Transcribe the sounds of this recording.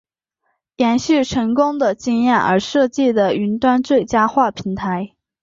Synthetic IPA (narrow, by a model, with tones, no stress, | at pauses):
ljɛ˧˥nɕy˥˩ʈ͡ʂʰɤ˧˥ŋkʊ˥ŋd̪ə˨t͡ɕi˥˧ŋjɛ˥˩nə̰˞˧˥ʂɤ˥˧t͡ɕi˥˩d̪ə˩y˧˥nt̪wa˥nt͡swe˥˩ɪt͡ɕja˥xwa˥˩pʰi˧˥ŋt̪ʰa˧˥ɪ